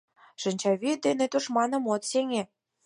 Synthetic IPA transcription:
ʃə̆nʲt͡ɕɑβid̪enĕt̪uʃmɑnɤ̆mot̪seŋe

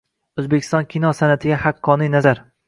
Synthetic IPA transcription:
ɵzbekʰʲɪ̥st̪ɒnkʲʰinɒsanat̪ʰɪɡʲahɑqʰːɒnijnazaɾ

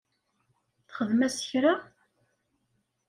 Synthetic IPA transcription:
θχəðmæsə̥çɾa

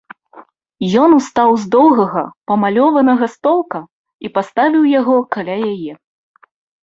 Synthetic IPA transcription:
jɔnust̪awzd̪ɔwɣɐɣɐpɐmalʲɔvɐnɐɣɐst̪ɔlˠkɐ | ipast̪avʲiwjaɣɔkalʲajajɛ

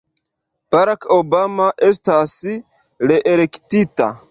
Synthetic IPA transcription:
b̥aɾakobamaʔestas | ɾeʔeɾektita̰

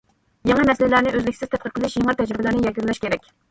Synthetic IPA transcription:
jɑŋɑmɛsɪllæɾnɪʔøzlɪkʲsɪzt̪ʰɛt̪̚qʰəɾ̚qʰəlˠɪʃjeŋɑt̪ʰɛd͡ʒɾɪbɪlæɾnɪjɛlɡʲynlɛʃkʲeɾɛkʲ

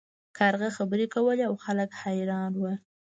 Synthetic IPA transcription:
kʰaɾɣaxabəɾekawəleawxaləkhajɾɑnwə

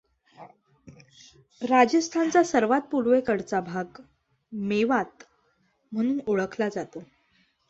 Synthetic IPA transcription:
ɾad͡ʑəst̪ʰant͡sasəɾʋat̪̚puɾʋekəɽt͡sabʱaɡ | meʋat̪ | m̤əɽ̃uːnoɭəkʰlad͡zat̪o

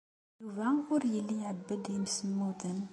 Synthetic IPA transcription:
juvæʊɾjəlːijʕəbːəd̪imsəmːuðən

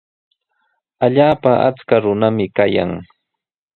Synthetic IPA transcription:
aʎaːpaʔa̰t͡skaɾʊnamɪkaja̰ŋ

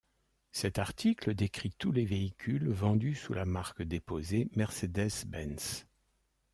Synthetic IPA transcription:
sɛt̪aʁt̪ʰikləd̪ekχit̪uleveikʲʰylvɑ̃d̪ysulamaʁkd̪epozemɛʁsed̪ɛzbɛns

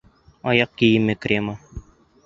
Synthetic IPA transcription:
ɒjɑq̚kijɘmːɘkrʲema

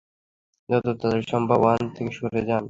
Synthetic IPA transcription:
d͡ʑɔt̪ot̪ad̪eɾʃɔmbʱabant̪ʰekeʃoɾed͡ʑan

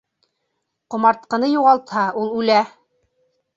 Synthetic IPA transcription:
qŏmɑɾt̪̚qɤ̆nɤjuʁɑlˠt̪hɑulˠʉlæ

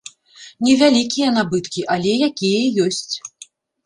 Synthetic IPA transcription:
nʲɛvʲalʲikʲijɐn̪abɨt̪kʲiʔalʲɛjakʲijɐjɔsʲt͡sʲ

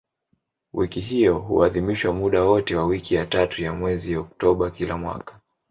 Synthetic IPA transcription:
wikiɦiɔɦṵaðimiʃwamuɗawɔtɛwawikijatatujamwɛziɔk̚tɔɓakilamwa̰kḁ

